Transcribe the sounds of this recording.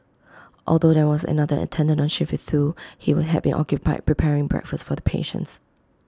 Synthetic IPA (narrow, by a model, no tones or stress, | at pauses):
ʔɔlˠdodɛwɔsə̰nadəʔə̰tʰɛ̃ndə̃nɔ̃nʃɪfɪθθuhiwʊd̚ɦɛvbḭ̃nʔɔ̰kjupaɪd̚pʰɹipʰɛɹɪ̃ŋbɹɛ̰kfəsfɔðəpʰḛʃə̰̃ns